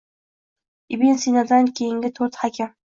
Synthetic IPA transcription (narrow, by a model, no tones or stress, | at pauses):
ɪbinsinad̪ankʲʰejɪŋɡʲɪt̪ʰɵɾt̪hakʲʰam